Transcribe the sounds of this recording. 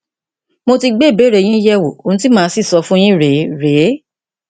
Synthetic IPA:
mo˧ti˧ɡ͡be˦˨be˨˦˨ɾe˨˦˨j̃ĩ˦jɛ˦wo˨o˨nũ˦t̬i˦mãː˦si˦˨sɔ˧˦fũ˦j̃ĩ˦ɾe˨˦ɾe˨˦

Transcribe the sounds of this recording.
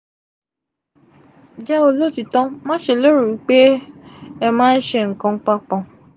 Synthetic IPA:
d͡ʒɛ˦o˦lo˦ti˨tɔ̃˦mãː˦ʃe˨lo˦ɾu˨u˨k͡pe˦ | ɛ˦mãː˦n̩˦ʃe˦˨ŋ̩˨kɔ̃˧ŋ̩˦k͡pa˦k͡pɔ̃˧

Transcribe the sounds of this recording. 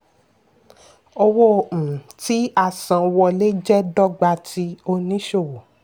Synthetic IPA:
o˧wɔ̃˦˨ti˨˦a˦˨sã˨wɔ˧le˦d͡ʒɛ˦dɔ˦ɡ͡ba˧ti˧o˧nĩ˦ʃo˦˨wo˨

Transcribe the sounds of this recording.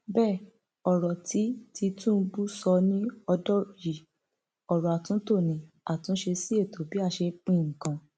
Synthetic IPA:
bɛː˦˨ | ɔ˨ɾɔ˨tʰi˨˦ti˧tũ˦˧˦bu˦sɔ˧nĩ˦ɔ˧dɔ˦ji˨ | ɔ˨ɾɔ˨a˨tũ˨˦to˦˨nĩ˨ | a˨tũ˨˦ʃe˧si˦e˦˨to˨bi˨˦a˧ʃe˧k͡pĩ˦˨ŋ̩˨kã˧

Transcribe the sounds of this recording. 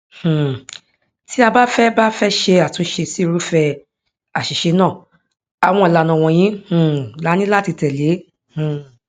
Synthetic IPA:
h̩˨ | ti˨˦a˧ba˦fɛ˦ba˦fɛ˦ʃe˧a˨tũ˧˦ʃe˧si˦˧ɾu˦fɛ˧ | a˨ʃi˨ʃe˧nãː˦˨ | a˨w̃ɔ̃˧i˨la˨nã˨w̃ɔ̃˧j̃ĩ˦h̩˨la˨˦nĩ˦la˦ti˧tɛ˨le˨˦ | hũ˨

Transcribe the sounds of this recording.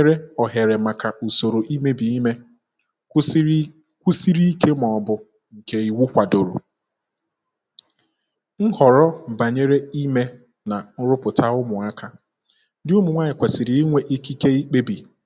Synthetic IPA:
ɾe˦ɔ˨ɦe˨ɾe˨ma˨ka˨ʔu˨so˨ɾo˨ʔi˦me˦bi˨i˦me˦ | kʷu˦si˦ɾi˦ke˦mɔ˨bʊ˨ | ŋ̩˨ke˦i˨wu˦kʷa˨do˨ɾo̰˨ | ŋ̩˦hɔ˨ɾɔ˦m̩˨ba˨ɲe˦ɾe˦i˦me˦ | na˨n̩˦ɾʊ˦pʊ˨ta˦ʊ˦mʊ˨a˦ka˦ | dɪ˦ʊ˦mʊ˨ŋʷa˦ɪ˨kʷe˨sɪ˨ɾi˨˦i˦ŋʷe˦ʔi˦ki˦ke˦i˦k͡pe˦bi˨

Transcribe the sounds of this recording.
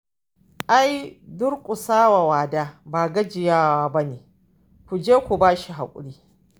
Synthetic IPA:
ʔa˦jdʊ˦rkʷʼʊ˨saː˦wa˨waː˨daː˦baː˨ɡɐ˦d͡ʒɪ˨jaː˦waː˦bɐ˦neː˨ | kʷu˨d͡ʒeː˦kʷu˨baː˦ʃi˨ɦa̰˨kʷʼʊ̰˨ɽiː˦

